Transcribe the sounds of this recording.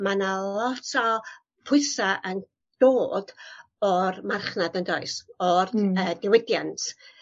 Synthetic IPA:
manalˠɔtʰɔ | pʰʊɨsaʔən | d̥oːd̥ | ɔrmarχnadəndɔɨsɔrəːdɪwɪdjantʰ

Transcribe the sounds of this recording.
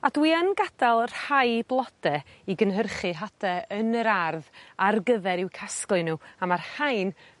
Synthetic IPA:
adwiənɡad̥alˠr̥hajblˠɔd̥ɛ | iɡənɦərχɨɦadɛənəɾarðarɡəðɛɾɪwkʰasklˠɨnuːamarhajn

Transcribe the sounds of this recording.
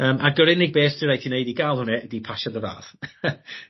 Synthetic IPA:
əːmʔaɡəɾɪnɪɡ̚beːsd̥ʰiɾajtʰinejdiɡalˠhʊnɛdipʰaʃad̪əva̰ːθ

